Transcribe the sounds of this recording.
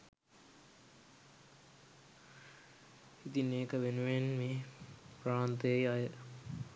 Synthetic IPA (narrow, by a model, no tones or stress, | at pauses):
it̪ineːkəʋenuʋenmepɾaːnt̪əejajə